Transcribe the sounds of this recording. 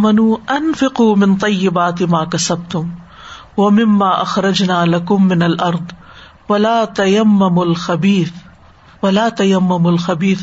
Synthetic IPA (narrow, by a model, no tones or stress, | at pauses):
manuːʔanfɪquːmɪnt̪ˤɑjːɪbaːt̪ɪmaːkasab̚t̪ʊm | wamɪmːaːʔaxɾˤɑd͡ʒnaːlakʊmːɪnalʔɑɾˤd̪ˤ | walaːt̪ajamːamʊlxabiːθ | walaːt̪ajamːamʊlxabiːθ